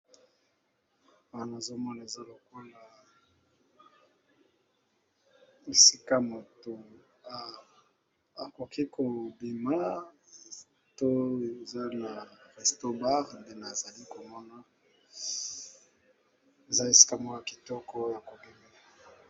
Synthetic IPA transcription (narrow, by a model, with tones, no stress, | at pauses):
a˨na˨zo˦mɔ˦na˨e˨za˦lo˨ko˦la˨ | e˨si˦ka˦mo˨to˨ | a˨ko˨ki˦kʰo˨bi˨ma˨˦ | to˦e˨za˦na˨ʁɛ˨sto˦ba˦ʁnde˦n˨a˨za˨li˦ko˨mɔ˦na˦ | e˨za˦e˨si̥˦ka˦mɔ˦ja˨ki̥˨tɔ˦kɔ˦ja˨ko˨bi˦me˦˨